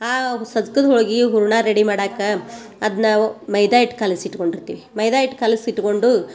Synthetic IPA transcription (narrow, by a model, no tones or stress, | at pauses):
aːsɐd̪kɐd̪ɔɭɡiɦuɾuɳaːɾeɽimaːɽaːkːɐ | ɐd̪ɐnaːmɐjd̪aːjiʈkaːlisiʈːko̞ɳɖiɾt̪iːʋimɐjd̪aːjiʈkaːlisiʈːko̞ɳɖu